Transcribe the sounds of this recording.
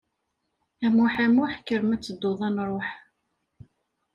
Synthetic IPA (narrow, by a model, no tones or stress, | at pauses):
æmʊħæmʊħkːəɾəmæt͡sːəd̪ːoðˤænɾˤoħ